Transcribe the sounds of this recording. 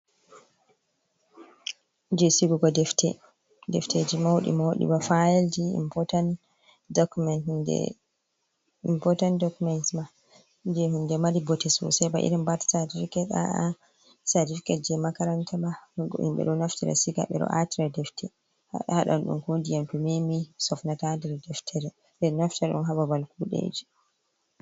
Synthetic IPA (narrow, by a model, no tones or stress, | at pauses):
d͡ʒesiɡuɡɔdɛftʰɛ̰ | dɛftʰed͡ʒimawoɗḭmawoɗḭbafajeldiḭmpɔtan | dkmɛndɛ̰ | impɔtantdɔkumɛntma | d͡ʒɛhundɛmaɾibɔtɛsɔ̰sɛjba̰ʔḭɾimbaɾtḁsatifikɛta̰a | saɾtifi̥kad͡ʒɛmakaɾantʰamaɡʔḭmɓɛ̰ɗɔnaftiɾa̰siɡa̰ɓɛ̰ɗɔ̰ʔa̰tiɾadɛftʰɛ | ha̰ɗahaɗa̰nɗṵmkondianpɛmemisɔfnatandɛɾdɛftʰɛɾɛ | dɛɾnaftɛɾɛɗṵmɦababalkuɗḛd͡ʒi